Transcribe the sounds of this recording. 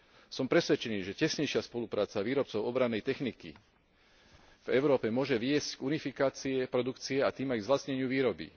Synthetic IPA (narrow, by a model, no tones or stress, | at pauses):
sɔmpɾɛsʋɛt͡ʃɛniːʒɛcɛsɲɛjʃɪaspɔlupɾaːt͡saʋiːɾɔp̚t͡sɔʊɔbɾanːɛjt̪ɛxnikḭ | v̥ɛʊɾɔːpɛmʊɔʒɛʋɪɛsckunifikaːt͡siɛpɾɔd̪ukt͡siɛat̪iːmajɡzʋlasɲɛɲɪuʋiːɾɔbḭ